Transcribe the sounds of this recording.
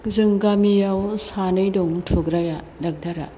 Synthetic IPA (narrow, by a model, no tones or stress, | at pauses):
zɯŋɡamijawsanɯjdoŋtʰuɡɾaja | dɐk̚daɾa̰